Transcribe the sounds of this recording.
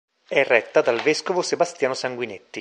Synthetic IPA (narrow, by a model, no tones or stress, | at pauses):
ɛrːɛt̪ːad̪alveskovosebast̪jaːnosaŋɡwinet̪ːi